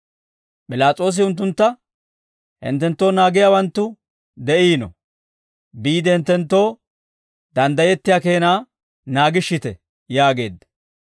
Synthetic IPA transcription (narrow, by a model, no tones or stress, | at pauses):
pɪlaːt͡sʼo̞ːs̬ɪʊnt̪̬ːʊnt̪ːɐ | hɪ̰nt̪ːɛnt̪ːo̞ːnaːɡɪjaːwɐnt̪ːʊ | d̪ɛʔiːnɔ̰ | biːd̪ɛhɪnt̪ːɛnt̪ːo̞ː | d̪ɐnd̪ɐjɛt̪ːɪjaːke̞ːnaː | naːɡɪʃːɪt̪ɛ̰ | jaːɡe̞ːd̪ːɐ